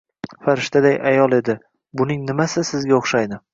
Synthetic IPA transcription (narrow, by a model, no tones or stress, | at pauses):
faɾɪʃt̪ʰad̪ajʔajɒlˠe̞d̪ɪ | bʊnɪŋnɪmasɪsɪzɡʲaoχʃajd̪ɪ